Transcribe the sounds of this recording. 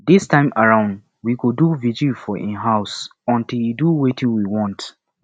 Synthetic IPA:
distʰãɪ̃maɹãʊ̃nd | wikoduvid͡ʒifɔʔḭ̃nɦaʊsɔ̃ntiljuduwetʰĩŋwiwɔ̃nt

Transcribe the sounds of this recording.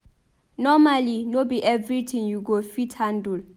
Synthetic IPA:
nɔmalinobiʔɛvɹit̪ʰĩŋjuɡofithãndul

